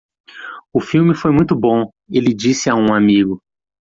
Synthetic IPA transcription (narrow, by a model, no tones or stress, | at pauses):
ʊfiwmɪfojmũj̃t̪ʊbõ | elɪd͡ʒisɪaũamiɡʊ